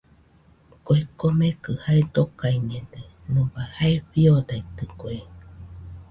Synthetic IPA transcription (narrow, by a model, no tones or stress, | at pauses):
koekomekɯhaed̪okaiɲed̪enɨbahaeɸiod̪ait̪ɨkoe